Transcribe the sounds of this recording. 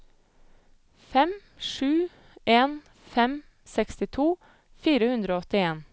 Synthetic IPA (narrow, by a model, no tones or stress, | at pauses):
fɛm | ʃʉː | eːn | fɛm | sɛkst̪ɪt̪ʰuː | fiːɾəhʉnd̪ɾoːɔt̪ɪeːn